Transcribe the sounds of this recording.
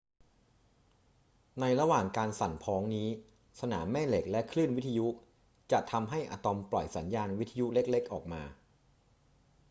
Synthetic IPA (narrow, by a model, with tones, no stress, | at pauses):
na˧jɾa˧waː˨˩ŋkaː˧nsa˨˩npʰɔː˦˥ŋniː˦˥ | sa˧na̰ː˩˦mːɛː˥˩le˨˩k̚lɛ˦˥kʰlɯː˥˩nwi˦˥t̪ʰːa˧ju˦˥ | t͡ɕa˨˩ʔt̪ʰa˧mɦa˥˩jʔa̰ː˧t̪ɔ˧mplɔ˨˩jsa˩˦njaː˧nwi˦˥t̪ʰːa˧ju˦˥le˦˥k̚le˦˥k̚ʔɔː˨˩k̚maː˧